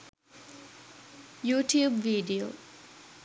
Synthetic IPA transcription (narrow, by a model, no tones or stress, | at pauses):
juːʈjuːbʋiːɖio̰ː